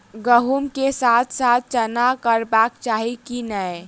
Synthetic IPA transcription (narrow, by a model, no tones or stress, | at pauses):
ɡəɦumkesaːt̪ʰsaːt̪̚ʰt͡ʃənakəɾbaːkt͡ʃaːɦikinəe